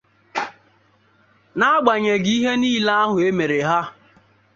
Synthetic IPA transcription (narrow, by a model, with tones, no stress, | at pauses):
na˦a˦ɡ͡ba˨ɲe˨ɡi˦ɦe˦niː˦la˦a˦ɦʊ˨e˦me˨ɾe˨ɦa˦